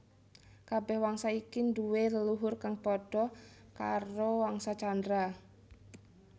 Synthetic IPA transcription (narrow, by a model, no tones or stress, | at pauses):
kabɛhwaŋsaikinduweləluɦʊrkaŋpɔɖ̥ɔka̰ɾowaŋsat͡ʃandɾa